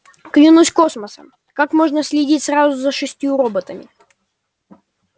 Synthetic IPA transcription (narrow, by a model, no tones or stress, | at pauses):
klʲɪnusʲko̞sməsə̰m | kakmo̞ʐnəsʲlʲɪdʲitʲsrazʊzəʂɨsʲtʲjuɾobət̪əmʲɪ̰